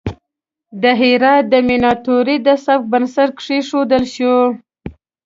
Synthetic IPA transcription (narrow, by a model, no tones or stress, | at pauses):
d̪əɦiɾɑt̪̚d̪əminɑt̪oɾid̪əsabk̚bansaʈ̚kʂiʂod̪əlʃu